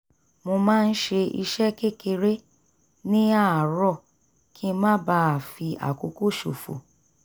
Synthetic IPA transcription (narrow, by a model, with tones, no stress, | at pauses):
mo˧mãː˦˧n̩˦ʃe˧ḭ˧ʃɛ˦ke˦˨ke˧ɾe˦ | nĩ˦a˦˨ɾɔ˦˨ | ki˦˧mã˦ba˦˨fi˧ʔa̰˨ko˨˧ko˦˨ʃo̰˨fo̰˨